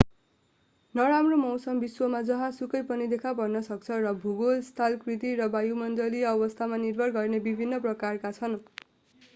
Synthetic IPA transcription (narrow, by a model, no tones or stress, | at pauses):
nʌɾamromʌwsʌmbiswʌmad͡zʌɦãsukʌjpʌnid̪ekʰapʌrnʌsʌk̚t͡sʰʌrʌbʱuɡolst̪ʰalkrit̪iɾʌbajumʌnd̪ʌliʌβʌst̪ʰamanirbʱʌrɡʌrnebibʱinːʌprʌkarkat͡sʰʌn